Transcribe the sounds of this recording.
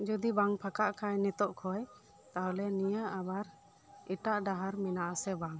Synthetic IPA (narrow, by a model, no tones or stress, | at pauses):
d͡ʒɔd̪ibaŋpʰakaʔkʰajnɛt̪ɔʔkʰɔj | t̪aɦɔlɛnijaʔabaɾ | iʈaʔɖaɦaɾminaʔasɛbaŋ